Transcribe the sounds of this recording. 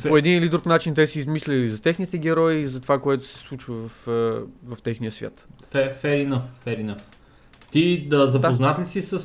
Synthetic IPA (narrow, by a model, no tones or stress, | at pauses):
oɛd̪inilid̪ɾuknat͡ʃint̪ɛsiizmislʲɛizɐt̪ɛxnit̪ɛɡ̟ɛɾɔizɐt̪ovakoɛt̪ʊ̥sɛ̥slˠut͡ʃvɐvɐfvɐft̪ɛxnijəsvʲja̰t̪fɛfɛɾinəffɛɾinəf | t̪id̪əzɐpoznat̪lʲsisəs